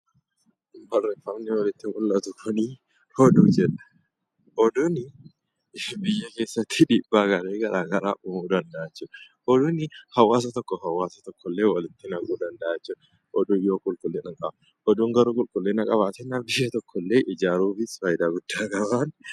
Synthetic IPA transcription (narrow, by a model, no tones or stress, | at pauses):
bɐrɛfɐmnɪwɐlɪt̪ːɪwʊlːɐt̪ʊkʰɔniː | hɔd̪uːd͡ʒɛᶑɐ̥ | ʔɔd̪ʊnɪ | bɪjːɐke̞ːsːɐt̪ʰːɪᶑiːbːaːɡɐɾeːɡɐɾʔaːɡɐɾa̰ːʔʊmuːd̪ɐnd̪ɐʔɐt͡ʃːʊ | ʔɔd̪ʊnɪhɐwaːs̬ɐt̪ɔkːɔɦɐwaːsɐ̥t̪ɔkːɔlːeːwɐlɪt̪ːɪnɐkʼuːd̪ɐnd̪ɐʔɐt͡ʃːʊ | ʔɔd̪ujoːkʼʊlkʼʊlːenɐŋkʼɐbɐ | ʔɔd̪uŋɡɐɾuːkʼʊlkʼʊlːenɐkʼɐbaːt̪ɛnːaːbɪjːɐt̪ɔkʰːɔlːeːʔɪd͡ʒaːɾuːfɪsfaːjɪd̪aːɡʊd̪̥ːaːkɐbaːn